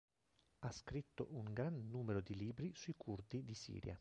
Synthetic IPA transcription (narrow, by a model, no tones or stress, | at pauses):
askɾit̪ːoʔuŋɡɾanːuːmeɾod̪iliːbɾisuikʰurd̪id̪isḭːɾja̰